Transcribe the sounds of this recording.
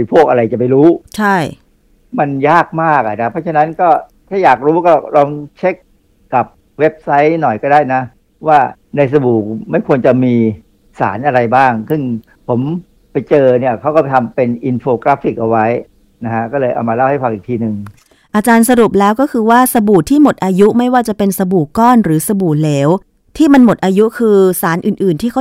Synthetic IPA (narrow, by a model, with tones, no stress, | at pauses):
pʰu˥˩ək̚ʔa˧ɾa˧jt͡ɕa˨˩pa˧jɾuː˦˥t͡ɕʰa˥˩j | ma˧njaː˥˩k̚maː˥˩k̚a˨˩nʰa˦˥pʰɾɔ˦˥t͡ɕʰa˧na˦˥nkɔː˥˩ | t̪ʰaː˥˩jaː˨˩k̚ɾuː˦˥kɔː˥˩ɾɔː˧ŋt͡ɕʰe˦˥kː | a˨˩p̚ | we˦˥p̚sa˦˥jnɔ˨˩jkɔː˥˩daː˥˩jna˦˥ | waː˥˩ | na˧js̬a˧buː˨˩k̚ma˥˩jkʰu˧ənt͡ɕa˨˩miː˧ | sa̰ː˩˦nʔa˧ɾa˧jbaː˥˩ŋsɯ˥˩ŋ | pʰo˩˦m | pa˧jt͡ɕɤː˧ni˥˩ɐkʰa˦˥wkɔː˥˩a˩t̪ʰa˧mpe˧nʔi˧nfoː˧kla˦˥fi˨˩k̚ʔa˧wa˦˥j | na˦˥kʰa˦˥kɔː˥˩lɤː˧jʔa̰˧wmaː˧la˥˩wha˥˩fa˨˩kʔiː˨˩kt̪ʰiː˧nɯ˨˩ŋ | ʔa˧t͡ɕaː˧nsa˧ɾu˨˩p̚lɛː˦˥wkɔː˥˩kʰɯː˧waː˥˩sa˧buː˨˩t̪ʰːiː˥˩mo˨˩t̪̚ʔaː˧ju˦˥ma˥˩jwaː˥˩t͡ɕa˨˩pe˧nsa˧buː˨˩kːɔː˥˩nɾɯː˩˦sa˧buː˨˩leː˨˦w | t̪ʰiː˥˩ma˧nmo˨˩t̪̚ʔaː˧ju˦˥kʰɯː˧saː˩˦nʔɯː˨˩nʔɯː˨˩nt̪ʰiː˥˩kʰa˦˥